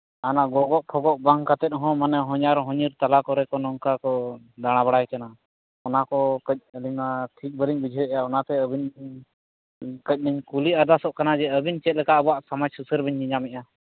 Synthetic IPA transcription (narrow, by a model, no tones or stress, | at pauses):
anaɡɔɡɔʔpʰɔɡɔʔbaŋkat̪ɛt̪̚ˀɦɔ̃manɛɦɔɲaɾɦɔ̃ɲiɾt̪alakɔɾɛkɔnɔŋkakɔ | d̪aɽ̃abaɽajkana | ɔnakɔkəc̚ˀəliɲnaʈʰik̚ˀbəɾiɲbid͡ʒʱəjʔɛjaɔnat̪ɛəbiɲ | kəc̚ˀniɲkuliad̪asɔʔkanad͡ʒɛəbiɲt͡ʃɛt̪̚lɛkaʔəbɔaʔsamad͡ʒsusəɾbiɲːiɲamɛc̚a